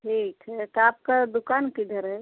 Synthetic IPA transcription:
ʈʰiːkɦɛt̪ɔaːp̚kad̪ukankid̪ʱəɾɦɛ

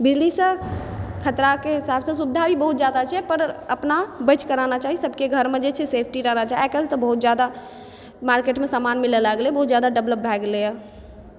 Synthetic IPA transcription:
bid͡ʒlisə̃ | kʰət̪ɾakeɦisabsə̃subd̪ʱabibəɦut̪̚d͡ʒjad̪at͡ʃʰɛpəɾəpnabət͡ʃkəɾanat͡ʃaɦisəbʱkeɡʱəɾmed͡ʒet͡ʃʰɛsepʰʈiɾəɦnat͡ʃaɦiɛkəlt̪ɔbəɦut̪d͡ʒad̪a | maɾkeʈmesamanmilelaɡlebəɦut̪̚d͡ʒad̪aɖəbləp̚bʱɛɡle

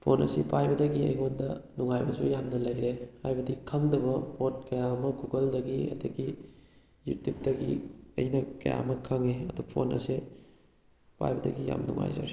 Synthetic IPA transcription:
pʰonɐ̰sipʰajbɐdɐɡiɐ̰jɦondɐnuŋajbɐsujamnɐlɐjɾehajbɐdikʰɐŋdɐbɐpot̚kɐjamɐkuɡɐldɐɡiɐ̰dɐɡi | jutip̚dɐɡḭɐ̰jnɐkɐ̰ja̰mɐkʰɐŋiɐdupʰo̰nɐ̰se | pʰa̰jbɐdɐ̰ɡija̰mnṵŋa̰jza̰ɾi

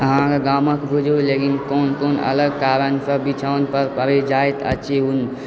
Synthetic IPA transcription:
əɦãkeɡaməkbʱud͡ʒolekinkonkoːnə̰ləɡ̚kaɾənsəbit͡ʃʰəʋnpəɾpəɾed͡ʒajt̪ə̰t͡ʃʰeun

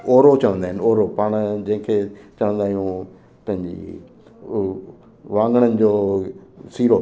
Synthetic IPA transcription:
oːɾot͡ɕɐʋə̃nd̪aːɪnoːɾopaːɽ̃d͡ʑɐ̃ɦɪ̃kʰet͡ɕɐʋə̃nd̪aːɦijũ | pɐ̃ɦɪ̃ɲd͡ʑḭ | ʋãːŋɡəɽ̃ənɪ̆d͡ʑoː | siːɾo

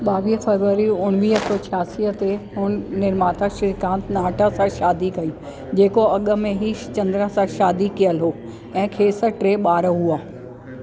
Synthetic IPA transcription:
ɓaːʋiːɦfɐɾʋəɾiʊnʋiːɦət̪ot͡ɕʰaːsiːət̪eɦʊn̆nɪɾmaːt̪aʃɪɾkãːnt̪naːʈʰəsãʃaːd̪ikɐi | d͡ʑeːkoɐɠə̆mẽɦit͡ɕɐ̃nd̪ɾəsãʃaːd̪ikijəlɦoː | ɛ̃ːkʰeːsəʈɾeːɓaːɾɦuaː

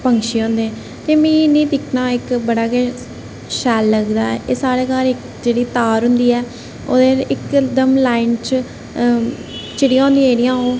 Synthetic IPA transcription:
pəŋkʃiːɦõːnd̪ẽ | t̪eːmĩːnĩːd̪ɪkʰnaːɪkbəɽaːkɛ | ʃɛːlːəɡd̪aːɛːʔeːsaːɽeːkaːɾɪk | d͡ʒeːɽiːt̪aːɾɦʊ̃nd̪iːɛː | oːd̪eːɪkd̪əmlaːɪnt͡ʃ | t͡ʃɪɽijãːɦʊ̃nd̪iãːeːɾijãːõː

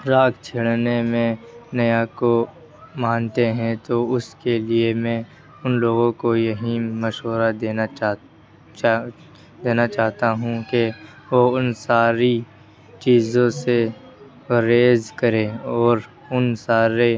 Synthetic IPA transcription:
ɾaːkʰt͡ʃʰɪɭnemẽnɐjako | mãːnt̪eɦɛ̃t̪oʊskeliemɛ̃ | ʊnloːɡõkojɐɦimɐʃoɾad̪eːn | d̪eːnat͡ʃaːɦt̪aɦũke | ʋoʊnsaːɾi | t͡ʃiːzõse | ɐɾeːzkɐɾẽɔːɾ | ʊnsaːɾe

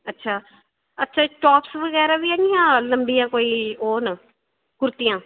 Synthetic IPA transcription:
ətːʃʰaː | ətːʃʰaːʈɔːpsʋəɣɛːɾaːbiːɦɛːŋɡijãːləmbijãːkoːiːoːnə | kʊɾt̪ijãː

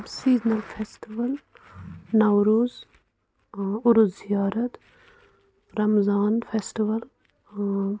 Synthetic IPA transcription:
siːznɐlfʰeːsʈiʋɐl | nɐwɾuːz | ʊɾuzijaːɾɐt̪ | ɾɐmzaːnfʰeːsʈiʋɐl

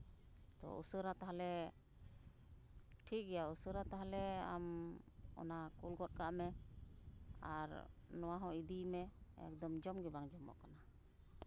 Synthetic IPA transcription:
t̪ɔ̰ʔṵsəɾat̪aɦalɛ | ʈʰik̚ɡɛjausəɾat̪aɦalɛamɔ̰nakulɡɔt̪̚kaʔmɛ | aɾnɔwaɦɔ̃id̪imɛɛ̰k̚d̪ɔmd͡ʒɔmɡɛbaŋd͡ʒɔmɔ̰ʔkana

